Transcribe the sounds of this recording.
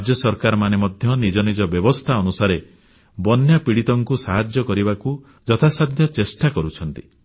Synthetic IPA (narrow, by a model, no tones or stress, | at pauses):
ɾad͡ʒjɔsɔɾkaɾɔmanemɔd̪ʱjɔnid͡ʒɔnid͡ʒɔbjɔbɔst̪ʰaɔnusaɾe | bɔnjapiɽit̪ɔŋkusaɦad͡ʒjɔkɔɾibaku | d͡ʒɔt̪ʰasad̪ʱjɔt͡ʃesʈakɔɾut͡ʃʰɔnt̪i